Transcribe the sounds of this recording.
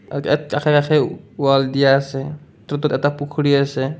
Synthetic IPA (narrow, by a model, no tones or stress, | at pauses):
ɛtkakʰɛkakʰɛuwald̪ijaːsɛ | t̪ɾɔt̪ut̪ɛt̪apukʰɽiasɛ